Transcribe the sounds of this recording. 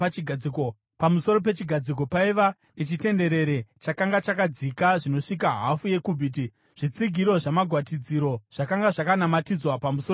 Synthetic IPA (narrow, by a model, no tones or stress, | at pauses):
pamuso̞ɾo̞p̬e̞t͡ʃiɡʱad͡zik̬o̞paiʋa | ne̞t͡ʃite̞nde̞ɾe̞ɾe̞t͡ʃakaŋɡat͡ʃakad͡zikaʐino̞ʂik̬aɦafuje̞kubʱit̬i | ʐ̥it͡siɡʱiɾo̞ʐamaɡʱwatid͡ziɾo̞ʐ̥akaŋɡaʐakanamatid͡zwapamuso